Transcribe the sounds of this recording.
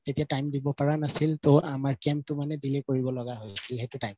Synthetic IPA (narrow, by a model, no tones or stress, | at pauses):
tetijatajmdibɔpaɹanasiltɔʔamaɹkɛmp̚tʊmanɛdilekoɹibɔlɔɡaɦojsilhetʊtajm